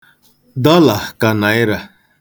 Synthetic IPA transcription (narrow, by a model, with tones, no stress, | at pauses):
d̪ɔ˦la˨hka˨na˨jɾa˨